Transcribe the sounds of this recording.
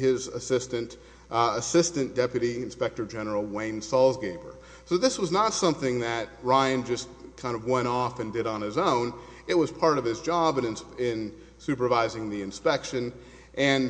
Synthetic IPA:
hɪzəsɪstɨ̃nt | əsɪstɨ̃nd̥ɛpjɨɾiɨ̃nspɛk̚tə˞d͡ʒɛnə˞l̩ˠwẽɪ̃nsɔlˠzɡeɪbə̰˞ | soʊðɪswʌznətsʌ̃mθɪ̃ŋðɨt̚ɹaɪɨ̃nd͡ʒʌskʰãɪ̃ndʌvwɛ̃ɾ̃ɔfɨ̃ndɨɾn̩ɨzõʊ̃n | ɨt̚wʌz̥pʰɑɹɾʌv̥ɨzd͡ʒɑbɨ̃nɨ̃nɪ̃n | sʉpə˞vaɪzɪ̃ŋðiɨ̃nspɛkʃɨ̃n | ʔɨ̃n

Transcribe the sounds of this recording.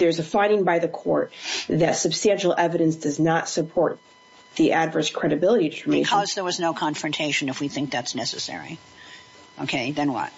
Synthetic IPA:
ðə˞zɨfãɪ̃ɾɪ̃ŋbaɪðɨkʰɔɹt̪̚ðɨtsɨb̥stæ̃nʃl̩ˠɛvɨɾɨ̃nsd̥ʌznətsɨpʰɔɹt̪̚ | ðiʔædvɜ˞skʰɹ̥ɛɾɨbɪlˠəɾiɾɨtʰə˞mẽkʰʌzðə˞wʌznoʊkʰɑ̃ɱfɹɨ̃ntʰeɪʃɨ̃nɨfwiθɪ̃ŋk̚ðætsnɛsɨsɛ̰ɹḭ | ʔoʊkʰeɪðɨ̃nwʌ̰t̚

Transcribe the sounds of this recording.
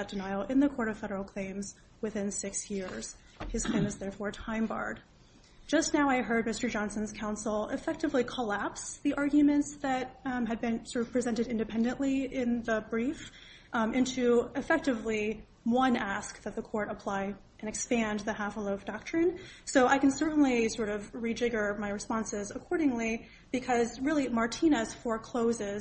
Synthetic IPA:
ɨt̚d̥ɨnaɪl̩ˠɪ̃nðɨkʰɔɹɾʌv̥fɛɾə˞l̩ˠkʰl̥ẽɪ̃mz | wɨθɪ̃nsɪksjɪɹz̥ | ɨz̥kʰl̥ẽɪ̃mɨzðɛɹfɔɹtʰãɪ̃mbɑ̰ɹd̥̚ | d͡ʒ̥ʌsnaʊaɪɦɜ˞d̚mɪstə˞d͡ʒɑ̃nsɨ̃n̩z̥kʰãʊ̃nsl̩ˠɪ̰fɛk̚tɨvlikʰəlæpsðiʔɑɹɡjɨmɨ̃ntsðɨt̚ɨd̚bɨ̃nsɔɹʌv̥pʰɹ̥ɨzɛ̃ntɨɾɪ̃ndɨpʰɛ̃ndɨ̃nʔliɪ̃nðəbɹif | ʔɪ̃ntʰʉɨfɛk̚tɨvli | wʌ̃næsk̚ðɨt̪̚ðəkʰɔɹɾəpʰl̥aɪ | ʔɨ̃nɨkspæ̃nðɨhæfəloʊfd̥ɑk̚tɹ̥ɨ̃nsoʊʔaɪkɨ̃n̩sɜ˞ʔn̩lisɔɹɾʌvɹid͡ʒɪɡə˞maɪɹɨspɑ̃nsɪzəkʰɔɹɾɪ̃ŋli | b̥ɨkʰʌzɹɪlˠimɑɹtʰĩnɨsfə˞kʰl̥oʊzɪz

